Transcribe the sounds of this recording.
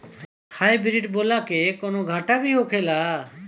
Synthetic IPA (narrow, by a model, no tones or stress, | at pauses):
hajbiɾiʈbolakekonoɡʱaʈabiɦokʰela